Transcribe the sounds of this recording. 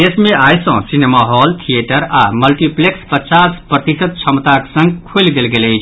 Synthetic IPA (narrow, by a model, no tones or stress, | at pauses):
esmeʔajsə̃sinemaɦɔlt̪ʰieʈəɾaməlʈiplekspət͡ʃaspɾət̪isəd̪̚t͡ʃʰəmt̪aksə̃ŋɡkʰojlɡelɡeləjt͡ʃʰ